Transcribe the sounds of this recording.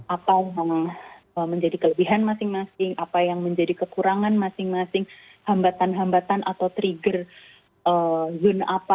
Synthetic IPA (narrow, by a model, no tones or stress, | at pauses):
apajaŋ | əməɲd͡ʒadikələbiɦanmasɪŋmasɪŋʔapajaŋməɲd͡ʒadikəkuɾaŋanmasɪŋmasɪŋ | hambat̪anɦambat̪anʔat̪awt̪ɾiɡər | ʔəzʊnapa